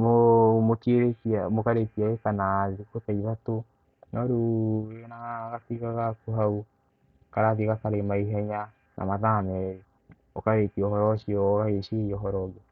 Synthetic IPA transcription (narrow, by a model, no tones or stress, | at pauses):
momokeɾekamokaɾetiaɣekanaðikotaiβato | nɔɾunaɣatiɣaɣakuɦau | kaɾaðiɣakaɾemaiɦɛɲa | nʔa̰maðamɛɾe | okaɾetiɔhɔɾɔʃiɔɣaɣeʃeiɔɦɔɾɔɣe